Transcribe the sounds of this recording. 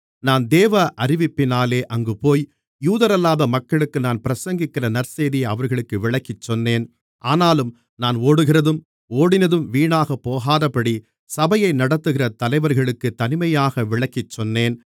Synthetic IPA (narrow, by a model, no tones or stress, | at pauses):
naːnd̪eːʋɐʔɐɾɪʋɪpːɪnaːleːʔɐŋɡɯpoːj | juːðɐɾɐlːaːðɐmɐkːɐɭɯkːɯnaːnpɪɾɐsɐŋɡɪkːɪrɐnɐɾseːðɪjɐʋɐɾɣɐɭɯkːɯʋɪɭɐkːɪt͡ʃːɔnːeːn | ʔaːnaːlɯm | naːnoːɽɯɣɪrɐðɯm | oːɽɪnɐðɯmʋiːɳaːɣɐpːoːɣaːðɐpɐɽi | sɐbɐjɐɪnɐɽɐt̪ːɯɣɪrɐt̪ɐlɐɪʋɐɾɣɐɭɯkːɯt̪ɐnɪmɐjaːɣɐʋɪɭɐkːɪt͡ʃːɔnːeːn